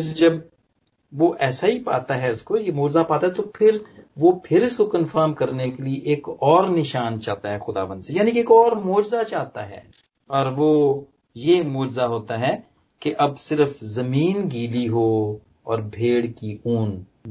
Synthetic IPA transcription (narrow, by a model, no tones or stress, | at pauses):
d͡ʒɐb | ʋoʔɛːsaɦipaːt̪aɦɛʊskojemoːd͡ʒzapaːt̪aɦɛt̪opʰɪɾʋopʰɪɾɪskokɐ̃nfəɾmkɐɾnekelieʔeːkɔːɾnɪʃaːnt͡ʃaːt̪aɦɛxʊd̪a̰ːʋə̃nd̪sejaːnikeːkɔːɾmoːd͡ʒzat͡ʃaːt̪aɦɛ̰ː | ɔːɾʋoː | jemoːd͡ʒzaɦoːt̪aɦɛ | keʔɐbsɪɾəfzɐmiːnɡiːliɦoː | ɔːɾbʱeːɽkiuːn